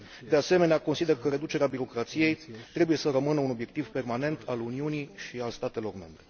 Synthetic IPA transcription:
d̪e̞ase̞me̞neako̞nsid̪e̞rkəɾe̞d̪ut͡ʃe̞ɾeabiɾo̞kɾat̪sije̞jt̪ɾe̞buje̞səɾəmɨnəuno̞bje̞k̚t̪ivpe̞rmane̞nt̪ʰaluniunijʃialst̪at̪e̞lo̞rme̞̰mbɾe̞

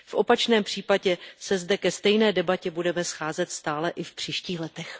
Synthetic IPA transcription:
fʔo̞pat͡ʃnɛːmpr̝̥iːpaɟɛsɛzdɛkɛst̪ɛjnɛːdɛbacɛbudɛmɛsxaːzɛt̪st̪aːlɛʔɪfpr̝̥iːʃciːxlɛt̪ɛx

